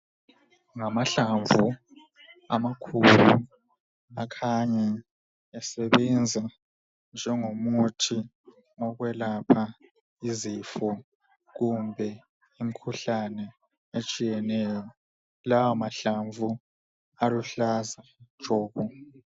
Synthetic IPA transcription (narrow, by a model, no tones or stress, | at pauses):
ŋamaɬaɱvu | a̰makʰulu | akʰaɲɛː | sɛβɛnd͡zʱa | nd͡ʒʱɛŋomutʰi | ɔɣwɛlapʰa | izifɔ | ɣumbʱɛ | imikʰuɬanɛ | et͡ʃʼijɛnɛjɔ | lawamaɬaɱvu | aluɬazḁʒ̥ʱɔːɣu